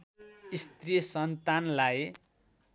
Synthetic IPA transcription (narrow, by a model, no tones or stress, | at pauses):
ist̪risʌnt̪anlaj